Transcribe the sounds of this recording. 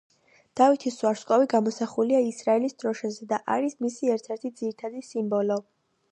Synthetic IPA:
d̪̥avit̪ʰiswaɾskʼɔviɡamɔsaχuliaisɾaɛlisd̪ɾɔʃazɛd̪aʔaɾismisiɛɾt̪ʰɛɾt̪ʰid̪ziɾit̪ʰad̪isimbɔlɔ

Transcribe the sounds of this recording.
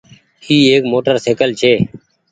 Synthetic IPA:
iːeːkmoːʈəɾseːkəlt͡ʃʰeː

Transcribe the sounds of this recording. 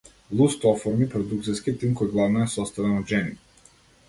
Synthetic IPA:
lˠust̪ɔfɔɾmipɾɔd̪uk̚t̪sijskit̪imkɔjɡlˠavnɔɛsɔst̪avɛnɔd̪ʒɛni

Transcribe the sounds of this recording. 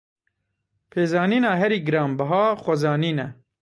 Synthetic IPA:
pʰeːzɑːniːnɑːɦɛɾiːɡɨɾɑːmbɐɦaːxʷɐzɑːniːnɛ

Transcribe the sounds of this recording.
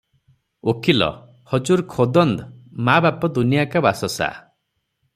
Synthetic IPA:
okʰilɔ̰ | hɔd͡ʒuɾkʰod̪ɔnd̪mabapɔd̪unijakabasɔsa̰

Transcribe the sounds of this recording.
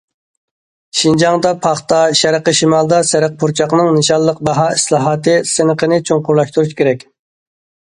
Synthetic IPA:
ʃind͡ʒɑŋd̪ɑpʰɑχt̪ɑʃæɾəqəʃimɑlˠd̪ɑsæɾəq̚pʰuɾt͡ʃʰɑqnɨŋnɨʃɑlˠːəq̚bɑɦɑːislˠɑːɦɑːt̪ɨsɨnəqənɨt͡ʃʰoŋqʊɾlˠɑʃt̪uɾuʃkʲʰeɾɛkʲ

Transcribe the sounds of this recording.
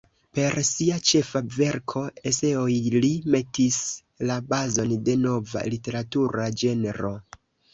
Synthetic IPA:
pe̞ɾsiat͡ʃe̞fave̞ɾkʰo̞e̞se̞ojlime̞tis | labazo̞nde̞no̞va̰lite̞ɾatuɾad͡ʒe̞neɾo̞

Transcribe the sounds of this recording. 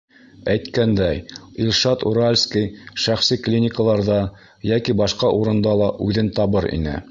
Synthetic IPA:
æjt̪kænd̪æjilʲˠʃɑt̪ṵɾalʲskijʃæχsiklʲinʲɪkəlˠɑɾðɑ | jækibɑʃqɑʔuɾɤ̆nd̪ɑlˠɑʔʉðɘnt̪ɑβɤɾḭnɘ̰

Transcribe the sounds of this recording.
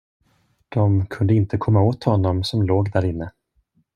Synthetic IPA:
d̪̥ɔmkʰɵnd̪əɪnt̪əkʰɔmːaoːt̪hɔnːɔmsɔmloːɡd̪æɾɪnːə

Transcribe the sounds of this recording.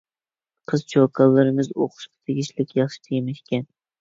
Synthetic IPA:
qʰɨzt͡ʃʰokʰɑlˠːɨɾɨmɨzoqʰʊ̥ʃqɑ̥t̪ʰeɡʲiʃlɪkʲjɑχʃɪ̥t̪ʰejmɛʃkʲɛn

